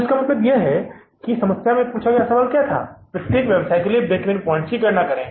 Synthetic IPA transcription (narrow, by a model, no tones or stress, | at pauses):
ʃkamɐt̪ɾəb̪jeɦɛ | kisɐməsjamẽpuːt͡ʃʰakjasɐʋaːlkjat̪ʰa̰ːpɾɪsʈikʋebsaːɪʈkelijebeːkʋẽnpɔ̃ːɳt͡ʃikɐɾnakɐɾẽː